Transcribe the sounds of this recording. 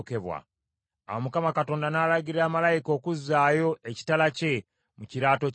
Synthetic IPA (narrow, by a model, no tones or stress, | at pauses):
ke̞βwa̰ | a̰womukamakato̞ːndanaːlaɡiɾaːmalajiko̞ːkuzːaːjo̞eci̥talace̞ | muciɾaːto̞